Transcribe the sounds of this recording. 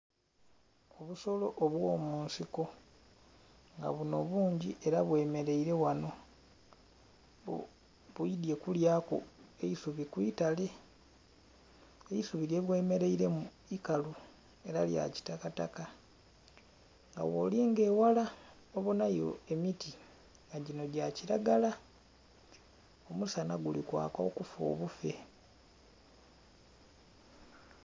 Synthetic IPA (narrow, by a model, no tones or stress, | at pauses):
oβuso̞lo̞ʔoβwoːmuːnsiko̞ | ŋɡa̰βuno̞̰βuːɲɟiʔe̞ɾaβwe̞ːme̞ɾe̞iɾe̞wano̞ | βuidje̞kuljaːko̰e̞isuβikwitale̞ | eisuβiɾje̞βwe̞ːme̞ɾe̞iɾemu | ikalu | e̞ɾalja̰ci̥takata̰ka | ŋɡa̰wo̞̰ːliŋɡe̞ːwala | oβonajo̞̰e̞miti | ŋɡaɟino̞ɟaciɾaɡala | o̞musanaɡulikwa̰ːkaokufo̰ːβufe̞̰